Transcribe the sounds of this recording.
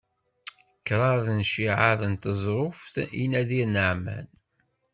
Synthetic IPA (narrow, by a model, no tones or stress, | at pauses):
kːɾˤɑɾˤðnʃiʕaðənt̪əzˤɾˤʊfθinæðiɾnəʕmæ̰n